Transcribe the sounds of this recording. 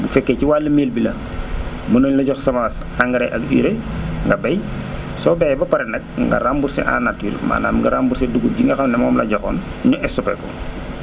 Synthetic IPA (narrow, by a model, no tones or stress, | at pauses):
bufɛkːɛciwaːlːɐmeːlbilɐ | mɐnɔɲlɐɟɔxsɐmaːs | aŋɡɐɾɛʔɐkḭɾeŋɡɐbɐj | sɔbɛbɐpɐɾɛnɐk̚ŋɡɐ̰rambuɾsɛ̰ʔa̰ːnatːiːlma̰ːna̰ːmŋɡɐɾambuɾsɛduɡup̚ɟiŋɡɐxɐmnɛmɔːmlɐ̰ɟɔxɔ̰ːnɲɔʔɛstɔpɛ̰kɔ̰